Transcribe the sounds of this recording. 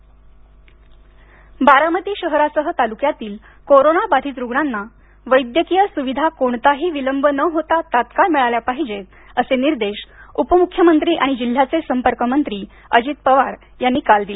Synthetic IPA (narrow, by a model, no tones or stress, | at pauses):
baɾamət̪iːɕəɦɾasəɦət̪alukjat̪iːl | koɾonabad̪ʱiːt͡sɾuɡɳanːa | ʋəjd̪jəkijəsuʋid̪ʱakoɳt̪aɦiːʋiləmbʱənəɦot̪at̪at̪kalmiɭaljapaɦid͡ʑe | əseniɾd̪eɕupəmukʰːjəmənt̪ɾiːʔaɽ̃id͡ʑil̤ːat͡sesəmpəɾkəmənt̪ɾiː | əd͡ʑiːt̪̚pəʋaɾ | janːiːkald̪ile